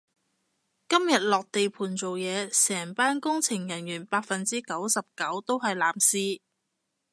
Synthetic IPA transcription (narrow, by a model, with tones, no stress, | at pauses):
kɐ˥mjɐ˨t̚lɔː˨k̚t̪e˨jpʰuː˨˩nt͡so˨wjɛː˨˧sɛː˨˩ŋpaː˥nkʊ˥ŋt͡sʰɪ˨˩ŋjɐ˨˩njyː˨˩npaː˧t̚fɐ˨nt͡siː˥kɐ˨˥wsɐ˨p̚kɐ˨˥wt̪o˥wɦɐ˨jlaː˨˧msiː˥